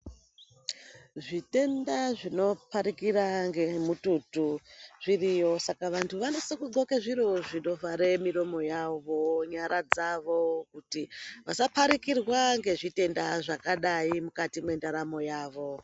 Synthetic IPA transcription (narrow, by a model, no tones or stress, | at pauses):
ʐite̞ndaʐino̞paɾikiraŋɡemututuʐ̥irijo̞sakaʋantʰuʋano̞sekuɡʱokeʐiɾo̞ʐino̞vaɾemiɾo̞mo̞jaʋo̞ɲaɾad͡zaʋo̞kutiʋasapaɾikirwaŋɡe̞ʐite̞ndaʐakaɗaimukatimwe̞ndaɾamo̞jaːʋo̞